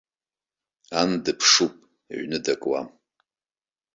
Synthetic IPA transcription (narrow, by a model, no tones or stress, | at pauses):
andɨpʰʂupʼ | ḛɥnɨdakʼwa̰m